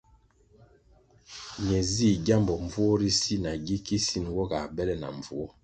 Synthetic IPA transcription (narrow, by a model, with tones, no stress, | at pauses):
ɲɛ˨zi˦˨ɟa˦mbɔ˨ɱ˨vu˦ɔ˦ɾi˦si˦na˨ɡi˦ki˦si˦˨nwɔ˦ɡa˨bɛ˦lɛ˦na̰˨ɱ˨vu˦ɔ˦